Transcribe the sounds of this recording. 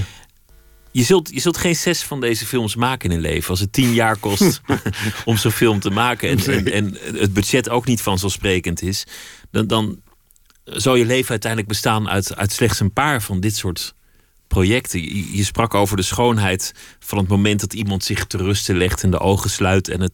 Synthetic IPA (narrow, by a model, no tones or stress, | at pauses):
jəzɵlˠtjəzɵlˠtχejnsɛsfɑndejzəfɪlˠmsmaːkəɪnənlḛjvəɑlˠs̬ətinjaːɹkɔst | ɔmzonfɪlˠmtəmaːkəɛnɛnɛnəd̚bød͡ʒɛtowknitfɑnzosprejkəntɪsddɑn | zɑlˠjəlejvənœɥtɛjndləɡ̚bəstaːnœ̰ɥtœ̰ɥtslɛχtsənpaːɹvɑndɪtsʊːɹt | projɛktəjəsprɑkowvəɹdəsχownɦɛjtfɑnɦətmowmɛntdɑtimɑntsɪχtərɵstəlɛχtɪndə̰ʔowχəslœɥtɛ̰nət